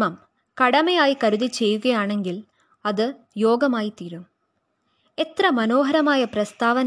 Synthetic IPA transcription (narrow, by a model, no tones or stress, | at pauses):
mɐm | kɐɽɐmɐjaːjikɐɾɯðit͡ʃːɛjːɯɣɐjaːɳeŋɡil | ɐðɨ | joːɡɐmaːjit̪iːɾɯm | ɛt̪rɐmɐnoːɦɐɾɐmaːjɐpɾɐst̪aːʋɐn